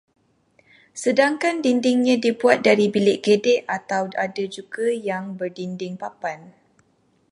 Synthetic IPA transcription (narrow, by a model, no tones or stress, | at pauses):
sədaŋkandindɪŋɲãdibuat̪̚daɾibilɪʔkedɛʔat̪awadad͡ʒuɡajaŋbərdindɪŋpapan